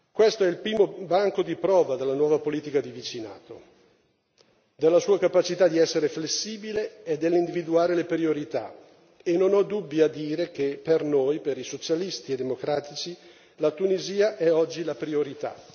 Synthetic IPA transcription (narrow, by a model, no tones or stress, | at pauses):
kwest̪oɛilpɾiːmobaŋkod̪ipɾɔːvad̪elːanwɔːvapoliːt̪ikad̪ivit͡ʃina̰ːt̪o | d̪elːasuːakapat͡ʃit̪ad̪iɛsːeɾeflesːiːbileːd̪ːelːind̪ivid̪uaːɾelepɾioɾit̪a̰ | enːonɔd̪ubːjad̪iːɾek̟epernojpeɾisot͡ʃalist̪ied̪ːemokɾaːt̪it͡ʃi | lat̪uniziːaʔɛɔd͡ʒːilapɾioɾit̪a̰